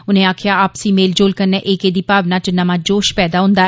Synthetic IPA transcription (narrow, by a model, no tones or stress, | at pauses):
ʊnẽːaːkʰjaːaːpsiːmeːld͡ʒoːlkəneːʔekeːd̪iːpaːʋnaːt͡ʃnəmaːd͡ʒoːʃpɛːd̪aːɦʊ̃nd̪aː